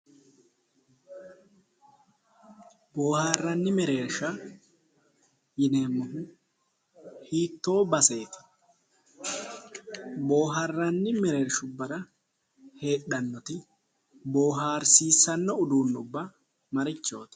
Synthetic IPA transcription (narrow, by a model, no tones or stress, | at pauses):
bo̞ːharːɐnːɪmɛɾeːɾʃɐ | jɪne̞ːmːɔhʊ | hiːt̪ːo̞ːbɐseːt̪ɪ̥ | bo̞ːɦɐrːɐnːɪmɛɾe̞ːɾʃʊbɐɾɐ | he̞ːɗɐnːɔt̪ɪ | bo̞ːɦaːɾsiːsːɐnːɔʊd̪uːnːʊbːɐ | mɐɾɪt͡ʃːo̞ːt̪ɪ̥